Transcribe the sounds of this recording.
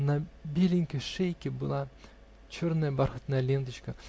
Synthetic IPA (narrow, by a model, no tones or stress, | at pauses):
nɐbʲelʲɪŋʲkʲɪʂejkʲɪbɨlˠa | t͡ɕornɐjəbaɾxət̪nɐjlʲent̪ət͡ɕkɐ